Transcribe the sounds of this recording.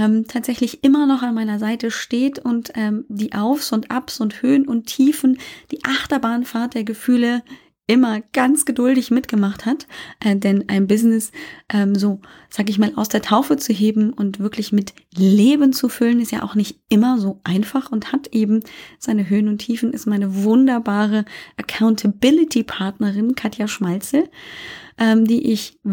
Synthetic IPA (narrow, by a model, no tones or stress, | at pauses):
ʔɛːmtʰaːtz̥ɛçlɪçʔɪmɐnɔχanmaɪnɐzaɪtəʃteːtʰʊntʔɛːmdiːʔaʊfsʊntʔapsʊnthøːənʊntʰːiːfn̩d̥iːʔaχtɐbaːnfaɐt̚d̥eːɐɡəfyːlə | ʔɪmɐɡ̥ant͡sɡ̥ədʊldɪçmɪtɡ̥əmaχthatʔɛːdɛnʔaɪnbɪznɪsʔɛːmzoː | z̥aːɡəɪçmaːla̰ʊsd̥eːɐtʰaʊfət͡suɦeːbm̩ʔʊntv̥ɪɐklɪçmɪt | leːbənt͡sufʏlənɪstja̰ːʔaʊxnɪçtʔɪmɐzoːʔaɪnfaχʊnthatʔeːbm̩z̥aɪnəɦøːənʊntʰiːfn̩ɪstmaɪnəvʊndɐbaːʁəʔɐkʰaʊntʰəbɪlɪtʰipʰaɐtnɐʁɪnkʰatjaʃmalt͡sl̩ | ʔɛːmdiːʔɪç